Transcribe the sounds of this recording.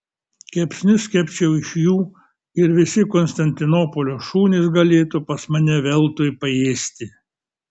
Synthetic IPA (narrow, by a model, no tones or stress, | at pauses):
kʲɛpʲsʲnʲʊsʲkʲɛpʲt͡ʃʲɛʊɪʃjuː | ɪɾʋʲɪsʲɪkɔːnst̪ɐnʲt̪ʲɪnoːpɔlʲoːʃuːnʲɪsɡɐlʲeːt̪uːpɐsmɐnʲɛʋʲɛlˠt̪ʊjpɐeːsʲt̪ʲɪ